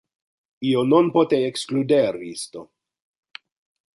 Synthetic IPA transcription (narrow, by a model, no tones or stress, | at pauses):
iononpot̪eekskludeɾist̪o